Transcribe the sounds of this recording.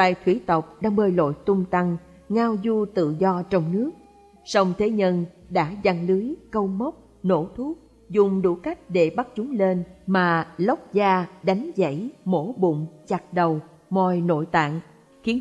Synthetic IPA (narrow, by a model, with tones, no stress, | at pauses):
a̰ː˨jt̪ʰwi˧˩t̪ə˨˩wk͡p̚ɗaː˧ŋɓəː˧jlo̰˧˨jt̪ʊ˧ŋ͡mt̪a˧ŋ | ŋaː˧wzu˧t̪ɨ̰˧˨zɔ˧t͡ɕɔ˧wŋ͡mnɨ˦˥ək̚ | sɔ˧wŋ͡mt̪ʰe˨˦ɲə˧nɗa̰ː˧˥za˧ŋlɨ˨˦jkə˧wmə˦˥wk͡p̚ | no̰˧˩t̪ʰu˦˥t̚ | zʊ˨˩ŋ͡mɗṵ˧˩ka˦˥jk̟̚ɗe˧˩ɓa˦˥t̚t͡ɕʊ˨˦ŋ͡mle˧nmaː˨˩lə˦˥wk͡p̚zaː˧ɗa˨˦jŋ̟zə̰˧˥jmo˧˥ɓʊ̰˧˨ŋ͡mt͡ɕa˨˩t̚ɗə˨˩w | mɔ˨˩jno̰˧˨jt̪a̰ː˧˨n | xi˨˦